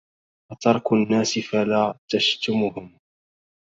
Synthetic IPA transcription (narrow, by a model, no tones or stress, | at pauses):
wɑt̪ɑɾˤknːaːsɪfalaːt̪aʃt̪ʊmʊhʊm